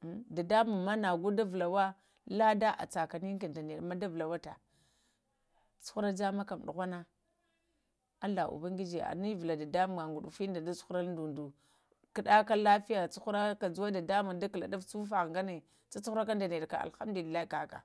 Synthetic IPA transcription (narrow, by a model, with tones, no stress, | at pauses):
da˨da˦mu˨ma˦na˨ɡu˦da˦vla˨wa˦ | la˦da˦ʔa̰˨t͡sa˨ka˨ni˦a˨nda˨ne˨ɗma˦da˦vla˨wa˦ta˨ | t͡su̥˦xu˦ɾa˦d͡ʒa˦ma˦ka˨m˨ɗṵ˨ɣʷa˦na˦ | a˦la˨ṵ˨ba˦ŋɡi˦d͡ʒe˨a̰˨ni˦vla˨da˨da˦m˨ŋa˨ŋɡu˨ɗu˨fi˦n˦da˨da˦su̥˦xu˦ɾa˦ln˦du˨ndu˨ | kə˨ɗa˦ka˦la˦fi˦ja˨t͡su˦xu˦ɾa˦ka˨d͡zu˦wa˦da˨da˦mu˨da˦kla̰˨da˦ft͡su˦fa˨ɣŋɡa˦ne˨ | t͡sa˦t͡su˦xu˦ɾa˦ka˦n˦da˨ne˨ɗka̰˨a̰˨xa˦mdu˨li˨lːa˦i˦ka˨ka̰˨